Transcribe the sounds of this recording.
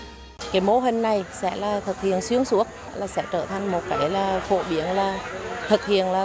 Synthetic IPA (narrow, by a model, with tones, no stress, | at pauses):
kaː˨˦jmo˧˦ɦï˨˩ŋ̟na˨˩jsɛ̰˧˥laː˨˩t̪ʰɨ˨˩k̚hḭ˧˨ənswi˧˥əŋsu˧˥ək̚laː˨˩sɛ̰˧˥t͡ɕəː˧˩t̪ʰa˨˩ŋ̟mo˨˩t̚kaː˨˦jlaː˨˩fo̰˧˥ɓi˨˦ənlaː˨˩t̪ʰɨ˨˩k̚hḭ˧˨ənlaː˨˩